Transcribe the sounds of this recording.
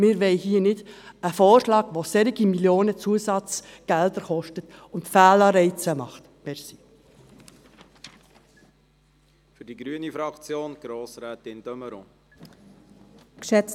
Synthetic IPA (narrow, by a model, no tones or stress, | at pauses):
mɪɾʋɛɪɦiənɪd | əfɔːɾʃlɑːɡ̥ʋosɛɾɪɡimiljoːnət͡suəsɑt͡sɡ̥ɛld̪əɾχɔʃtətʊntfæːlɑɾɛɪt͡səmɑχt̪ | mɛɾsi | fʏɾdiɡɾyənifɾɑkt͡sjoːnɡ̥ɾoːsɾɛːt̪ɪnd̥œməɾɔ̰̃ | kʃɛt͡s